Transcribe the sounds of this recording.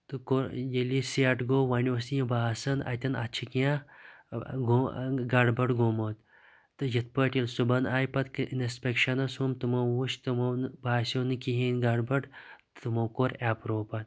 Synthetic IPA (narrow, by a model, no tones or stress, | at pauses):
t̪ɨkoɾjelisiɐʈɡoːʋɐnʲiosijɐbaːsɐnɐ̰t̪ʲɐnɐ̰t͡ʃʰikiã | ɡoɡɐɖbɐʈɡoːmoːt̪ | t̪ɨjɐt̪̚pəʈʲilsubɐnaːjpɐt̪kʔinispʲekʃɐnɐsumt̪ɨmɐwuʃt̪ɨmɐwnbaːsʲoːnɨkiɦiːnʲɡɐɖbɐɖ | t̪ɨmɐwkoɾaːpɾoːpɐt̪